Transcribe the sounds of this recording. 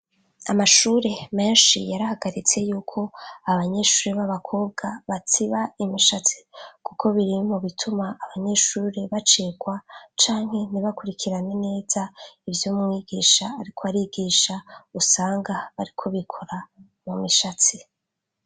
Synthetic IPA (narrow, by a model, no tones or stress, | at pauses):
amaʃuɾe̞me̞ːnʃḭjaɾahaɡaɾit͡se̞juːkʰo̞aβaɲe̞ʃuːɾeβaβakʰo̞ːb̚ɡaβat͡siβaimiʃat͡si̥kuko̞βiɾimoβitʰumaʔːβaɲe̞ʃuːɾeβat͡ʃeːɡwat͡ʃaːŋɦe̞niβakuɾikʰiɾane̞ne̞ːz̥aivjomŋiːɡiʃaːɾikʰo̞aɾiɡiːʃausaːŋɡaβaɾikʰo̞βikʰo̞ɾa | mumiʃat͡si